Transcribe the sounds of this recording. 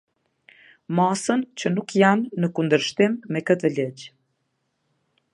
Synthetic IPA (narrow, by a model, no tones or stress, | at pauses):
masənt͡ɕənukjanːəkund̪əɾʃt̪imːɛkət̪ələd͡ʑ